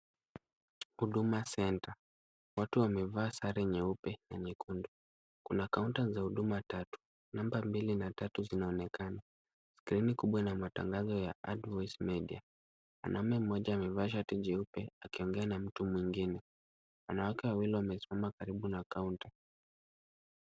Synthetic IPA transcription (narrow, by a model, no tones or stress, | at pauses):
huɗumasɛnta | watuwamɛvaːsaɾɛɲɛupɛna̰ɲɛkundu | kunakauntazahuɗumatatu̥ | nambambilinatatuzinaɔnɛkana | skɾinikuɓwanamata̰ŋɡazɔjaʔadvɔsmɛɗia | wa̰nʔaumɛm̩ːɔʄaːmɛvaʃ̬atiʄɛupɛakiɔŋɡɛanam̩tumwiŋɡinɛ | wanawakɛwawiliwamɛsi̥mamakaɾiɓunakaunta